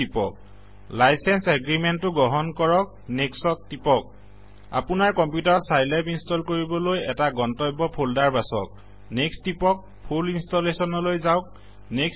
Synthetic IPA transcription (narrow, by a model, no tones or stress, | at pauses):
ipɔ̰k̚ | lajsɛnsɛɡɹimentːʊɡɔɦɔnkɔɹɔk̚ | neksɔktipɔk̚ | a̰pʊnaɹkɔmpjutaɹsajlapinstɔlkoɹibɔlojɛtaɡɔntɔjbɔpʰoldaɹbasɔk̚ | nekstipɔk̚ | pʰulinstɔlesɔnɔlojzaʊk̚ | nek